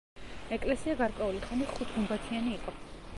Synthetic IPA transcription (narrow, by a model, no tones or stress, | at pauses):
ɛkʼlɛsiaɡaɾkʼwɛuliχaniχut̪ʰumbat̪ʰianiːqʼɔ